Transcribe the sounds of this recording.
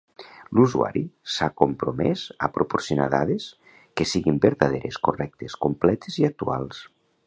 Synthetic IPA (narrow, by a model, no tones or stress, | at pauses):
luzua̰ɾisakompɾomɛzapɾʔopoɾsjona̰ða̰ðes | kesiɣimbeɾt̪aðeɾeskorɛk̚t̪eskomplɛt̪eziak̚t̪ualˠs